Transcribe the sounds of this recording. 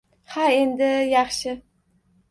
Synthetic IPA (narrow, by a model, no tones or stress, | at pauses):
hae̞nd̪ɪjɑχʃɪ